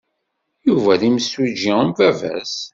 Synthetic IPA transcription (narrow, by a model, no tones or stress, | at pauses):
juvæðiməswid͡ʒiəmvævæ̰s